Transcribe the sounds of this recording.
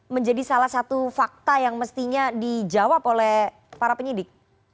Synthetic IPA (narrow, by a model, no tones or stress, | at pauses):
məɲd͡ʒadisalahsat̪ufak̚t̪ajaŋməst̪iɲadid͡ʒawapolɛh | paɾapəɲidɪk̚